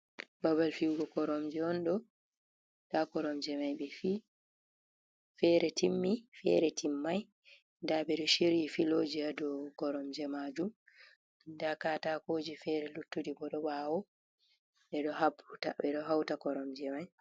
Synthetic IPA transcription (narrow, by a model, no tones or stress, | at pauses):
baβalfiwɡɔkɔɾɔmd͡ʒɛɔnɗɔ | takɔɾɔmd͡ʒɛmajɓɛfiː | fɛɾɛtʰimːifɛ̰ɾɛtimːaj | ndaɓɛɗɔʃiɾjifilod͡ʒiadɔkɔɾɔmd͡ʒɛmad͡ʒum | ndakatakoːd͡ʒifɛɾɛlutːudibɔɗɔɓawɔ | ɓɛɗɔɦabɾuta̰ɓɛɗɔɦawtakɔɾɔmd͡ʒɛmaj